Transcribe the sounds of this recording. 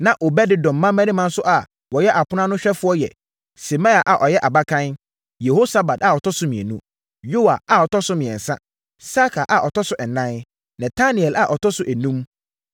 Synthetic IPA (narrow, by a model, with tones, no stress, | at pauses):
nã˨ʔo˨bɛ˦dɪ˦dɔ̃˨mː˦ã˦mɛ̃˦nĩ˦mã˦n̩˦sʊ˦ʔa˨ | wɔ˨jɛ˦ʔa˨pʰʊ˦nã˦nʊ̃˦ɕᶣɛ˦fʊ˦ɔ˦jɛ̰˨ | sɛ˨mã˦a˨ʔa˨ʔɔ˨jɛ˦ʔa˨ba˦kʰã˦n | je˨ho˦sa˨ba˨da˨ɔ˨tʰɔ˦sʊ˦mĩ˨ɛ̰˨nũ˦ | jo˦wa˨a˨ɔ˨tʰɔ˦sʊ˦mɪ̃˨ɛ̃˨n̩˨sã̰˦ | sa˦kʰa˨ʔa˨ʔɔ˨tʰɔ˦sʊ˦ʔɛ˨nã˦n | nɛ̃˨tʰa˦nĩ˨ɛ˨la˨ʔɔ˨tʰɔ˦sʊ˨ʔæ˨nũ˦m